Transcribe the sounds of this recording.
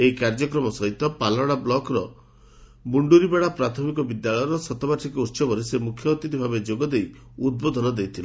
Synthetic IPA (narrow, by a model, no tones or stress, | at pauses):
eikaɾd͡ʒɔkɾɔmɔsɔɦit̪ɔpalɔɽ̃ablɔkɾɔ | buɳɖuɾibeɽapɾat̪ʰɔmikɔbid̪jaɭɔjɔɾɔsɔt̪ɔbaʈʰikɔuɾʃɔbɔɾisemukʰjɔːt̪it̪ibʱabed͡ʒoɡɔd̪ejud̪̚bod̪ʱɔnɔd̪ejt̪ʰila